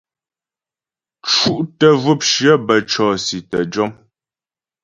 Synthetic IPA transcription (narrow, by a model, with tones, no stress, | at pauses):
t͡ʃu˦ʔtə˨vu˦p̚ʃɥə˦bə˨t͡ʃɔː˨si˨tə˨d͡ʒɔ˦m